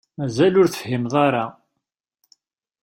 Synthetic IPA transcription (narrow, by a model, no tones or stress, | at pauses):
mæzælʊɾθəfəhimðˤɑɾˤɑ